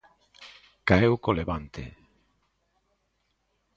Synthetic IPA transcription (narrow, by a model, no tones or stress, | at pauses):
kaewkoleβant̪ḛ